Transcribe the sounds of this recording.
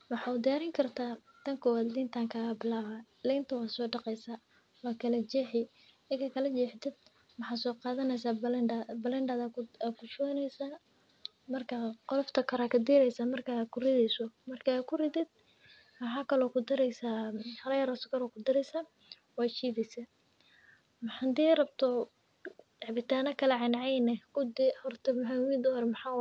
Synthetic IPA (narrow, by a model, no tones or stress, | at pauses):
wɑħɑːʊd̪ɪjaːɾɪŋkʰɐrt̪ʰaː | t̪ʰɐŋkʰɔːwaːd̪lɪnt̪ʰaːŋkʰaːɣɐbɪlaːβa | lɛnt̪ʰɐwɑːsɔːɖɑqɛjsaː | wɑːkʰɐlɐt͡ʃɛħɪ | ɛkʰɐkʰɐlɐt͡ʃɛːħt̪ɪd̪̥̚ | mɑħɑːsɔːqɑːðɐnɛjsaːbɐlɛnɖad̪akʰʊt͡ʃɔːnɛjsaː | mɐrkʰɐqɔlɔft̪ʰɐkʰɐɾaːkʰɐd̪ɪɾɛjsaːmɐrkʰakʰʊrɪðɛjsɔmɐrkʰakʰʊrɪdɪd̪̥̚ | mɑħaːkʰɐlɔːkʰʊd̪ɪɾɛjsaːhɐɾɐjɐɾɔːsɔ̥kɐlɔːkʰʊd̪ɪɾɛjsaː | wɑːt͡ʃiːβɛsɐ | mħand̪iːrɐbt̪ʰɔ | ʕabɪt̪ʰaːnɐkʰɐlɐʕɪnʕɛjnɛkʊd̪ɪhɔrt̪ʰɐmħawiːd̪ɔhɔɾɛmɑħaː